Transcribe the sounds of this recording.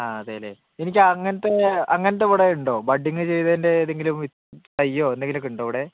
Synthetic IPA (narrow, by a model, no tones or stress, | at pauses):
aːɐðeːɐlḛ | enikʲːɨɐŋːɐnɐt̪ːe̞ɐŋːɐnɐt̪ːeʋuɽeuɳɖo̞ːbɐɖiŋːɨt͡ɕe̞jt̪ɐːnde̞ɐðe̞ŋɡilumit̪tɐjːo̞ːendeŋɡilokːuɳɖoːʋɽe